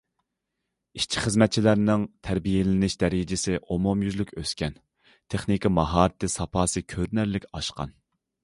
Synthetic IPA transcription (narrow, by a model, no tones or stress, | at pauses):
iʃt͡ʃʰi̥χəzmɛt̪̚t͡ʃʰilæɾnɪŋt̪ʰæɾbijelɪnɪʃd̪ɛɾɪd͡ʒɪsɪʔomomjyzlykʲøskʲɛn | t̪ʰeχnikʲʰimɑɦɑːɾɨt̪ʰɨsɑpʰɑːsɨkʲʰøɾnæɾlɪkʲɑʃqɑ̰n